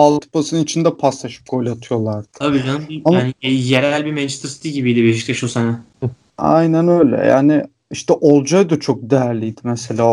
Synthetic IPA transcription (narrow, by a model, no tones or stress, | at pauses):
alˠt̪ʰɯ̥pʰasɯnɯnit͡ʃʰind̪ɛpʰast̪aʃɯ̥p̚kʰo̞lʲat̪ʰɯjo̞lˠaɾd̪ɯ̥tʰabiːd͡ʒanɯmamanijeɾælʲbimɛnt͡ʃt̪ʰɾst̪ʰiɟibijd̪ibeʃik̚t̪ʲɛʃusanɛ | a̰jnænø̞jlʲɛ̰ja̰ːnɪ | iʃt̪ʰɛʔo̞lˠd͡ʒajd̪at͡ʃʰo̞k̚d̪ejæɾlʲijd̪ɪmɛse̞lʲaː